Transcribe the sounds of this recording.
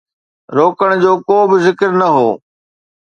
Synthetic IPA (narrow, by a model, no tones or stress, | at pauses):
ɾoːkəɽ̃d͡ʑoːkoːbɪzɪkəɾnɐɦoː